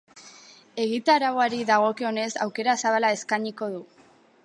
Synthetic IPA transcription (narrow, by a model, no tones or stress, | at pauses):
e̞ɣit̪aɾawaɾiðaɣ̞o̞keo̞ne̞sa̰wke̞ɾasaβalae̞skaɲiko̞ðu